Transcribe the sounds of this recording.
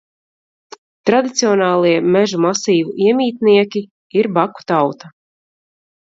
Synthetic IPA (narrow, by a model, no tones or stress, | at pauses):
t̪ɾad̪it̪siɔnɑːlˠiɛmɛʒumasiːvuʔiɛmʲiːt̪niɛkʲi | iɾbaku̥t̪awt̪a